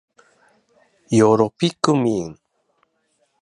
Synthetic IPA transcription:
joɾopikʊmiŋ

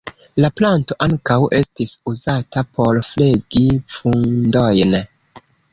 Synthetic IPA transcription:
laplanto̞ʔaŋkawʔe̞stisuzatapʰo̞ɾfleɡifundojn

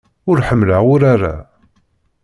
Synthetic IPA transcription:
ʊɾħəmːləʊɾaɾa̰

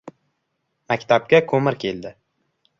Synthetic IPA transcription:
makʲt̪ʰab̚ɡʲakʰɵmɪɾkʲʰe̞ld̪ɪ

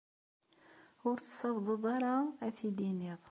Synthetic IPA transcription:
ʊɾt͡ssɑvðˤəðˤɑɾaæθid̪iniðˤ

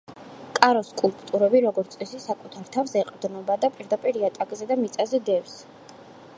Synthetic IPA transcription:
kʼaɾɔskʼulˠpʼt̪ʼuɾɛbiɾɔɡɔɾt̪sʼɛsisakʼut̪ʰaɾt̪ʰafsɛqʼd̪nɔbad̪apʼiɾd̪apʼiɾiat̪ʼakʼzɛd̪amit̪sʼazɛd̪ɛfs

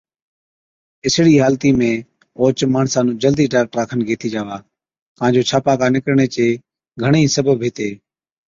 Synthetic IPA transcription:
ɪsɽiːɦaːlt̪iːmẽː | oːt͡ʃmaːɳsaːnũːd͡ʒəld̪iːʈaːk̚ʈɾaːkʰənɡʱeːt̪iːd͡ʒaːʋaː | kãːnd͡ʒoːt͡ʃʰaːpaːkaːnɪkɾɳeːt͡ʃeː | ɡʱəɳ̃ĩːsəbʱəbʱeːt̪eː

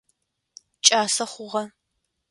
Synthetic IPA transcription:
t͡ʃʼaːsɐχʷʊʁɐ

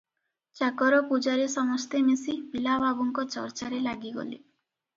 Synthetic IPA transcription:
t͡ʃakɔɾɔpud͡ʒaɾisɔmɔst̪emesibilabʱabuŋkɔt͡ʃɔ̰ɾt͡ʃaɾelaɡiɡɔ̰lḭ

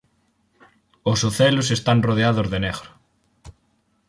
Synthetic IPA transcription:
osoθɛlosest̪anroð̞eaðozðeneɣɾʊ

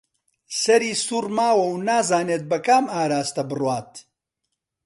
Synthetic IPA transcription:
sɐɾiːsuːrmaːwɐwnaːzaːneːt̪̚bɐkaːmaːɾaːst̪ɐbɨrwaːt̪

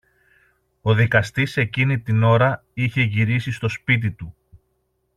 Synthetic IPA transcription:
o̞ðikɐst̪ise̞cinit̪ino̞ɾɐ | içe̞ʝiɾisist̪o̞spit̪̬it̪u

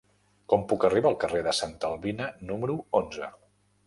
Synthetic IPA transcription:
kɔmpukəriβaːlˠkəreðəsant̪əlˠβinənuməɾuonzə

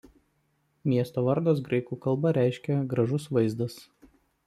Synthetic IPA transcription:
mʲiɛst̪oːʋɐɾd̪oːs̬ɡɾɐɪkuːkɐlˠˑbɐɾʲæˑɪʃʲkʲɛɡɾɐʒʊsʋɐɪzd̪ɐs

